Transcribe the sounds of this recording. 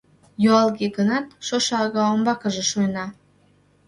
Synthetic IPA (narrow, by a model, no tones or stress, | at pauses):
juɑlˠɣeɡənɑt̪̚ʃoʃɑɑɣɑombɑkə̆ʒeʃuənɑ